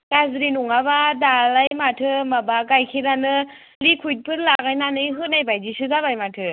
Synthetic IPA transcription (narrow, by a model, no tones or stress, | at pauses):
kazɾinuŋaβadalajmatʰɯmabakajkʰiɾanɯ | likʰujt̚pʰɯɾlaɡajnanɯjɦɯnajbajdisɯzabajmatʰɯ